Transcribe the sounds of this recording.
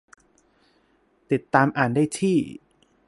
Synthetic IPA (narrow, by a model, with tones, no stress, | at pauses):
t̪i˨˩t̪ːaː˧mʔaː˨˩ndaː˥˩jt̪ʰiː˥˩